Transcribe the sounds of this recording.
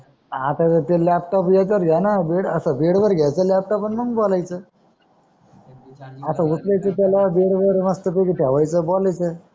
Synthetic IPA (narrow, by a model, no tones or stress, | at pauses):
at̪at̪ət̪elap̚ʈɔpjat͡ɕəɾɡjanabeɽəsəbeɽʋəɾɡʱjajt͡səlɛp̚ʈɔpənməŋɡbɔlajt͡sə | əsaut͡slajt͡sət̪jalabeɽʋəɾməst̪əpekʈʰaʋajt͡səbolajt͡sə